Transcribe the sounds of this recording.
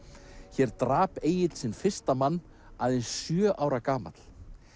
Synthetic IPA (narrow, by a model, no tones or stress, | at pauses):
çɛɾt̪ɾaːpeːjɪt̪lsɪnfɪr̥st̪amanː | aːðejnsːjœːʔaːwɾakaːma̰t̪l̥